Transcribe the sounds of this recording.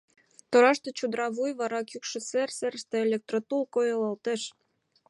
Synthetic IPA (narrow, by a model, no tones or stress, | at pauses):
t̪oɾɑʃt̪ɤ̆t͡ɕud̪ɾɑβujβɑɾɑkjukʃə̆serserst̪ĕelʲek̚t̪rot̪ulˠkojɤlˠɤlt̪eʃ